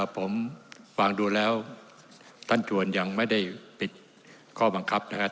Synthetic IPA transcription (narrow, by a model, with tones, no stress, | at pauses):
a˧˩pʰo˩˦mwaː˧˩ŋduː˧lɛː˦˥w | t̪ʰa˥˩nt͡ɕʰu˧ənja˧ŋma˥˩jda˥˩jpi˨˩t̪̚ | kʰɔː˥˩ba˧ŋkʰa˦˥p̚na˥˩kʰa˦˥